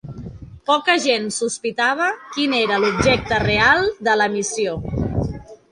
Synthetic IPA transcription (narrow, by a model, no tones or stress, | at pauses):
pɔkəʒensuspit̪aβ̞əkineɾəlubʒɛk̚t̪ərealˠd̪ələmisio